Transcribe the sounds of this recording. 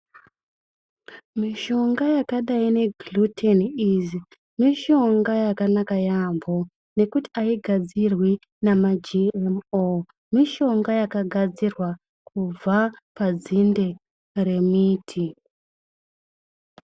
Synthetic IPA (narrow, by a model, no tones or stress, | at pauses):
miʃo̞ŋɡajakaɗaine̞ɡlutʰenizi | miʃo̞ŋɡajakanakajambʱo | ne̞kuti̥aiɡʱad͡zirwi | namad͡ʒiemo | miʃo̞ŋɡajakaɡʱad͡zirwa | kub͡vapad͡zinde | re̞miːtʰi